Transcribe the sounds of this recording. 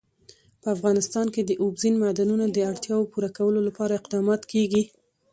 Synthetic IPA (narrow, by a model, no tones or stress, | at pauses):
pəafɣɑnɪst̪ɑnked̪əʔobzinmad̪anunad̪əaɽt̪jɑwopuɾakawəlolapɑɾaɪqd̪ɑmɑt̪keɡi